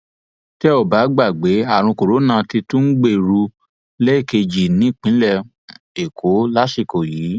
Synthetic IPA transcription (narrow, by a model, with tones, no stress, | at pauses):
tɛ˦o˦˨ba˨˦ɡ͡ba˦˨ɡ͡be˨˦a˦˨ɾ̃ũ˧ko˨ɾo˨˦nã˧˨ti˧tũ˦n̩˦ɡ͡be˦˨ɾu˧ | lɛ˦i˦˨ke˧d͡ʒi˨nĩ˨˦˨k͡pĩ˨˦lɛ˦˨ | e˨kʰo˨˦la˦ʃi˦˨ko˨jiː˨˦